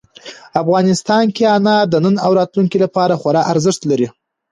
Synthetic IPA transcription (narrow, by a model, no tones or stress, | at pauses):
afɣɑnɪst̪ɑnkeɑnɑd̪ənənawɾɑt̪luŋkilapɑɾaxwaɾɑʔaɾzəʂt̪laɾi